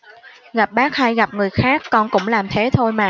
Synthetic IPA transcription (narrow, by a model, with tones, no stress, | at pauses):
ɣa˨˩p̚ɓaː˦˥k̚ha˧jɣa˨˩p̚ŋɨ˨˩əjxaː˦˥kːɔ˧nkʊ̰˧˥ŋ͡mlaː˨˩mt̪ʰe˨˦t̪ʰo˧jmaː˨˩